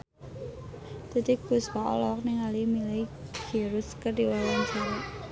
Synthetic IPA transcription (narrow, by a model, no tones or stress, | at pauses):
d̪̥a̤d̪iɡ̥ṳspaɔ̰lɔk̚nɪŋalimileɡ̥e̤ɾʊskərd̪iwawaŋt͡ʃaɾa